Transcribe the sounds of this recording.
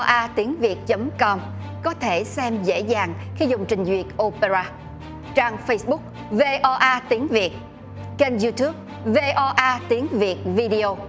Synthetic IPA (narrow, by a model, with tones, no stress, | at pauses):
ʔaː˧t̪i˨˦əŋvi˨˩ət̚t͡ɕə˨˦mkɔ˧m | kɔ˨˦t̪ʰe˧˩sɛ˧mzḛ˧˥zaː˨˩ŋxi˧zʊ˨˩ŋ͡mt͡ɕï˨˩ŋ̟zwi˨˩ət̚ʔo˧pe˧zaː˧ | t͡ɕaː˧ŋfə˧jsɓʊ˦˥k̚ | ve˧ʔɔ˧ʔaː˧t̪i˨˦əŋvi˨˩ət̚ | t͡ɕe˧nzu˧t̪u˦˥p̚ | ve˧ʔɔ˧ʔaː˧t̪i˨˦əŋvi˨˩ət̚vi˧ɗi˧o˧